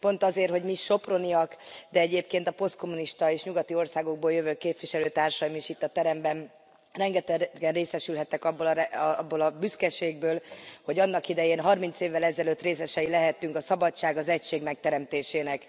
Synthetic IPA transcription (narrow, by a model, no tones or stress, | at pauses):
po̞nt̪ɒzeːrho̞ɟmiʃo̞pro̞niɒkd̪ɛɛɟeːpkeːnt̪ɒpo̞st̪̚ko̞muniʃt̪ɒeːʃɲuɡɒt̪io̞rsaːɡo̞ɡ̚boːljøvøːkeːpʋiʃɛløːt̪aːrʃɒjimiʃit̪ːɒt̪ɛɾɛmbɛn | rɛŋɡɛt̪ɛɡɛnreːsɛʃylɦɛt̪ːɛkɒbːolɛbːolɒbyskɛʃeːɡ̚bøːlho̞ɟɒnːɒkid̪ɛjeːnɦɒrmint̪seːvːɛlɛzɛløːt̪ːreːsɛʃɛjilɛɦɛt̪ːyŋkɒsɒbɒt͡ʃːaːɡɒzɛcʃeːɡmɛk̚t̪ɛɾɛmt̪eːʃeːnɛk